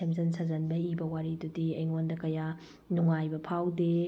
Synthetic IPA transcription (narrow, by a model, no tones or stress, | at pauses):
emzɐnsazɐnbɐibɐwaɾidudiɐjŋondɐkɐja | nuŋajbɐpʰawde